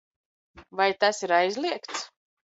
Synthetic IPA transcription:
vajt̪asiɾajzlˠiɛkt̪s

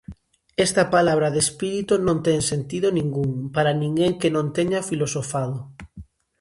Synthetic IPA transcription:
ɛst̪ɐpalaβ̞ɾɐðespiɾit̪unõnt̪ɛŋsent̪iðʊnĩŋɡuŋpaɾanĩŋɡeŋkenõnt̪eɲafilosofaðʊ

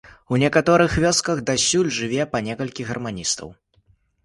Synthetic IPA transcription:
unʲɛkat̪ɔɾɨxvʲɔskɐɣd̪asʲulʲʐɨvʲɛpɐnʲɛkɐlʲkʲiɣɐrmanʲist̪ɐ̰w

